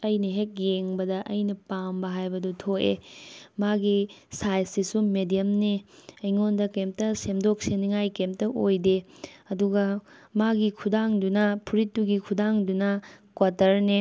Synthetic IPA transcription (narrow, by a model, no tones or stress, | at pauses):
ɐjnɐɦek̚jeŋbɐdɐʔɐjnɐpambɐɦajbɐdutʰoʔḛmaɡisajsisumedijɐmneɐjŋondɐkem̚tɐsemdok̚seniŋajkem̚tɐʔojdeɐduɡɐmaɡikʰudaŋdunɐpʰuɾitːuɡikʰudaŋdunɐkwatɐɾne